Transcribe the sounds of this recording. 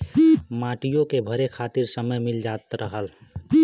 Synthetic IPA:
maʈijõkebʱəɾekʰat̪iɾsəməjmild͡ʒat̪ɾəɦəl

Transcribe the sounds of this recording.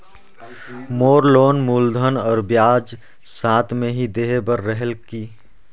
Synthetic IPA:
moːɾloːnmuːld̪ʱənɔːɾbjaːd͡ʒ | sãːt̪ʰmẽɦid̪eːɦebəɾːəɦɛlkiː

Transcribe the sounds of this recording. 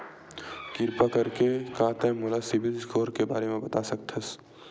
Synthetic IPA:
kɪɾpakɐɾkekãːt̪ɛ̃ːmolasɪbɪlsɡoːɾkebaːɾemẽbɐt̪asɐk̚t̪ʰɐs

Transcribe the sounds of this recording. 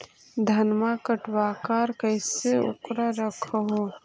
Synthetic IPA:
d̪ʱɐnmakəʈwaːkaːɾkəɪseʊ̰kɾaɾɐkʰɦoː

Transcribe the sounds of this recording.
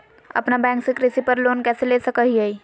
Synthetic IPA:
ə̰pnabɛ̃ŋksekɾisipəɾlonkɛselesəkəɦiɦəi

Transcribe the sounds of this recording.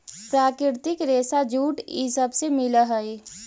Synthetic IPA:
pɾaːkɾɪɾt̪ɪkɾeːsad͡ʒuːʈḭsəbsemɪləɦəi

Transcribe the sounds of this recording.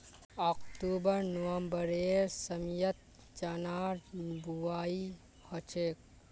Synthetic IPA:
ɔkt̪ubəɾnɔwɐmbəɾeːɾsɐmjət̪̚ | t͡ʃanaːɾbuaːi | hɔt͡ʃʰek̚

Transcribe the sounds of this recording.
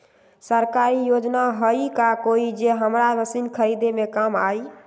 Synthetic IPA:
səɾkaɾijod͡ʒnaɦəikakoid͡ʒeɦəmɾaləsinkʰəɾid̪emekamai

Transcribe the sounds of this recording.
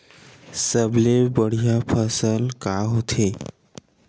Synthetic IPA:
səblebəɽ̤ijapʰəsəlkaɦot̪ʰe

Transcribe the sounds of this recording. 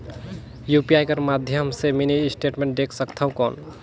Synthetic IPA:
jupiajkəɾmad̪ʱjəmseminisʈeʈmẽɳʈ̚ɖeksəkt̪ʰəw̃kɔn

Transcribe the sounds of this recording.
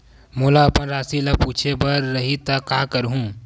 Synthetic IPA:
mulaɐpənɾaːsilɐpuːt͡ʃʰebɐɾːɐɦit̪ɐkaːkəɾɦũː

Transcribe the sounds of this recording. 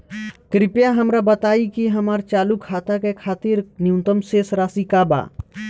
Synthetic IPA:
kɾɪpjaɦɐmɾabɐt̪aːikiɦɐmaːɾt͡ʃaːlukʰːaːt̪akekʰaːt̪iɾnjũnt̪əmseːsɾaːsikaːba̰ː

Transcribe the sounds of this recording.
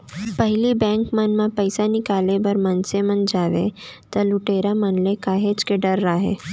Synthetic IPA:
pəɦɪlibɛ̃ːŋkmɐnmãpəɪsanɪkaːlebɐɾmɐnsemɐnd͡ʒaːʋḛt̪ɐlʊʈeːɾamənlekaːɦeːd͡ʒkeɖəɾːaɦḛː

